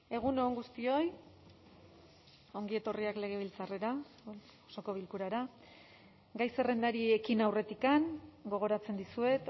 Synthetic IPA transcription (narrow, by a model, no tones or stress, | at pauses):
e̞ɣ̞unoːŋɡust̪io̞j | o̞ŋɡie̞t̪o̞riakle̞ɣ̞e̞β̞ilt͡sare̞ɾa | oso̞ko̞β̞ilkuɾaɾa | ɡajse̞re̞nd̪aɾie̞kinawre̞t̪ikaŋɡo̞ɣ̞o̞ɾat͡se̞nd̪isue̞t̪